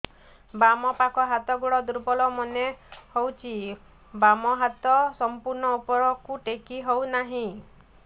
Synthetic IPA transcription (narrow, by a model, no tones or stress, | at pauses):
bamɔpakɔɦat̪ɔɡuɽɔd̪uɾbɔlɔmɔnehowt͡ʃʰi | bamɔɦat̪ɔsɔmpuɾɳɔupɔɾɔkuʈekiɦownaɦĩ